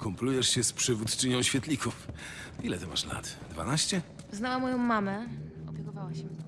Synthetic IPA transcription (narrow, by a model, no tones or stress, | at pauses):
kɔmplujɛʂɕɛspʂɘvut̪t͡ʂɘɲɔ̃w̃ɕfʲjɛt̪lʲikʰuf | ilɛt̪ɔma̰ʂla̰t̪d̪va̰naɕt͡ɕɛ | znawamɔjɔ̃w̃mamɛɔpʲjɛkɔvawaɕm